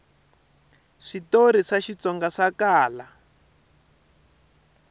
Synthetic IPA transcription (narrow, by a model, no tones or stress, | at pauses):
ʂitoɾiʂaʃit͡sɔŋɡaʂakaːla